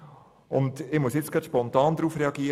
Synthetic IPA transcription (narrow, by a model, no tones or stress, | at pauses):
ʊ̰ndɪmusjɪt͡sɡ̥ɑtʃpɔnt̪ɑːnd̪ɾuːfreɑɡiə